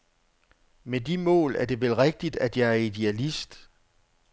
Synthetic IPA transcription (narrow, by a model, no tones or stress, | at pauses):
medimɔ̰̽ːlæɐd̥e̝ʋelʁɛɡ̥̚d̥id̥æd̥jɑ̈ɪæɐid̥eælisd̥